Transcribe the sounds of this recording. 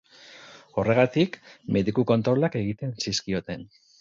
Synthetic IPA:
o̞re̞ɣ̞at̪ikmʔe̞ðikuko̞nt̪ɾo̞lake̞ɣit̪e̞nsiskio̞t̪e̞n

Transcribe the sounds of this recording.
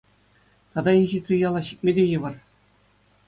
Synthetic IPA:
t̪ɑd̪ɑinʲʑit̪ʲrʲijɑlˠɑɕik̚ʲmʲedʲejɤʋɤ̆r

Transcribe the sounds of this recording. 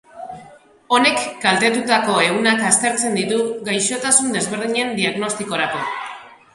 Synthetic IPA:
o̞ne̞kɡalt̪e̞t̪ut̪ako̞e̞ɣunakast̪e̞ɾt͡se̞nd̪it̪uɡajʃo̞t̪asund̪e̞zβe̞ɾðiɲe̞nd̪iaɣno̞st̪iko̞ɾako̞

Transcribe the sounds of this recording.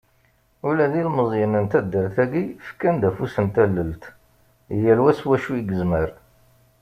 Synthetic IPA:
ulæðilməzˤjənənt̪æd̪ːəɾθæɡifə̥kːænd̪æfusənt̪ælːəlt̪ | jælwæswæʃuiɡəzməɾ

